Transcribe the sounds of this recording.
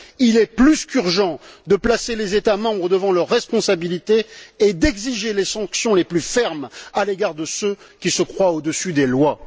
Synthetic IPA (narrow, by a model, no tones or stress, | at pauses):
ilɛplyskyʁʒɑ̃d̪əplaselezet̪amɑ̃bʁəd̪əvɑ̃lœʁːɛspɔ̃sabilit̪eːd̪ɛɡziʒelesɑ̃ksjɔ̃leplyfɛʁmaleɡaʁd̪əsø | kʲisəkχwaod̪əsyd̪elwa